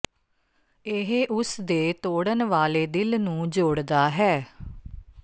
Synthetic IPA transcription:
ɪɦeʔʊsd̪eːt̪oːɽənʋaːleːd̪ɪlnũːd͡ʒoːɽd̪aːɦɛː

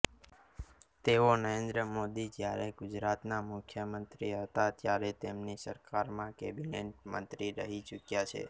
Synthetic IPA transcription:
t̪eonəɾẽnd̪ɾəmod̪id͡ʒjaɾeɡʊd͡ʒɾat̪namʊkʰjəmənt̪ɾiɦət̪at̪jaɾet̪emnisəɾkaɾmãkebineɳʈmə̰nt̪ɾiɾəɦit͡ʃukjat͡ʃʰḛ

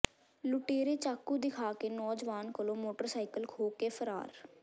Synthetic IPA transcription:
lʊʈeːɾeːt͡ʃaːkːud̪ɪkʰaːkeːnɔːd͡ʒʋaːnkəlõːmoːʈəɾsaːikəlkʰoːkeːpʰəɾa̰ːɾ

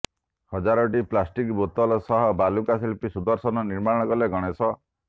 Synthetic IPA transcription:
hɔd͡ʒaɾɔʈiplasʈikbot̪ɔlɔsɔɦɔbalukasilpisud̪ɔɾsɔnɔniɾmaɾɔɽ̃ɔkɔleɡɔɽ̃esɔ

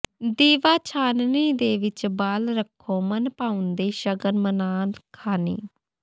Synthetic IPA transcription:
d̪iːʋaːt͡ʃʰaːnniːd̪eːʋɪt͡ʃbaːlɾəkʰːõːmənpaːʊ̃nd̪eːʃəɡəɾmənaːlkʰaːnḭː

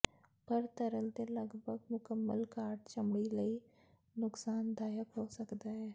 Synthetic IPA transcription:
pəɾt̪əɾəlt̪eləɡbʱəɡ̚mʊkəmːəlkaːɾʈt͡ʃəmbiləi | nʊksaːnd̪aːjəkɦoːsəkd̪aɦɛː

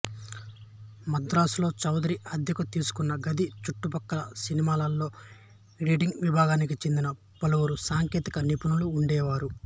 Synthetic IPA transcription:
mɐd̪ɾaːsulo̞ːt͡ʃɐwd̪ɐɾiʔɐd̪ʱjɐkɐt̪iːsu̥kunːɐɡɐd̪ʱit͡ʃuʈːupɐkːɐlɐsinimaːlɐlːo̞ː | ɾiːɖiŋɡʋibʱaːɡaːnikit͡ʃend̪inɐ | pɐlɐwuɾusaːŋke̞ːt̪ikɐnipunuluːɳɖɛːʋaːɾu

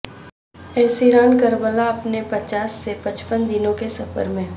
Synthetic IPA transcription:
ɛːsiɾaːnkəɾbəlaɐpnepɐt͡ʃaːsːepɐt͡ʃpənd̪ɪnõkesɐfə̰ɾmẽ

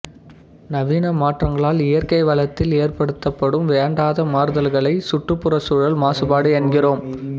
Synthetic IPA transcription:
nɐʋiːnɐmaːʈrɐŋɡɐɭaːlɪjɐrkɐɪʋɐlɐt̪ːɪleːrpɐɽɯt̪ːɐpːɐɽɯmʋeːɳɖaːðɐmaːɾɯðɐlɣɐɭɐɪsʊʈrɯpːɯrɐsuːɻɐlmaːsɯbaːɽɯɛɳɡɪroːm

